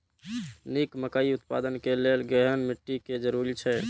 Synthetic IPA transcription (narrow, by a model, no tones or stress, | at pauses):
nikməkaiut̪pa̰d̪ənkelelɡɛɦənmiʈːiked͡ʒəɾuɾit͡ʃʰɛ